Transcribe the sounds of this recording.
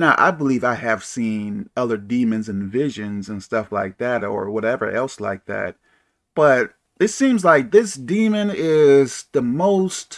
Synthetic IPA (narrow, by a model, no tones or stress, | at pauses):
noʊʔa̰ɪbəlivaɪɨv̥sĩnʌðə˞dĩmɨ̃nzɨ̃nvɪʒɨ̃nzɨ̃nstʌflaɪk̚ðæɾə̰˞wʌɾɛvə̰˞ʔɛlˠsla̰ɪk̚ðæ̰t̚ | b̥ʌɾ | ɨtsĩmzlaɪk̚ðɪsd̥ĩmɨ̃nɪz̥ðəmoʊst